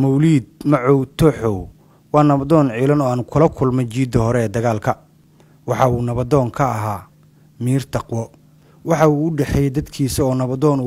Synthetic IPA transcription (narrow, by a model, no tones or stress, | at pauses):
mɔwliːd̪̚mɐʕɔwt̪ʰɔħɔw | wɑːnɐβɐðɔːnʕiːlɐnɔːaːnkʰʊlɐkʰʊlmɛt͡ʃiːd̪ɐhɔɾɛɛːd̪ɐɣaːlkʰɐ | wɑħɑuːnɐβɐd̪ɔːŋkʰɐːɦaː | miːrt̪ʰɑqwɔ | wɑħɑuːʊɖɛħɛjɛd̪ɐd̪kʰiːsɐɔːnɐβɐðɔːn